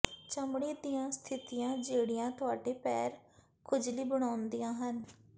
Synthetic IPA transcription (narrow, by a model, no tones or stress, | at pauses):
t͡ʃəmɽiːd̪ijãːst̪ʰɪt̪ɪjãːd͡ʒeːɽɪjãːt̪ʊaːɖeːpɛːɾ | kʰʊd͡ʒliːbəɽ̃aːʊnd̪ijãːɦən